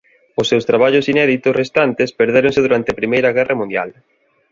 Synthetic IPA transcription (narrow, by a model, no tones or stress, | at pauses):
ʊsːewst̪ɾaβ̞aʎʊsinɛðit̪ʊsrest̪ant̪espeɾðeɾõŋsɪðuɾant̪eapɾimejɾɐɣ̞ɛrʔɐmũnd̪ja̰l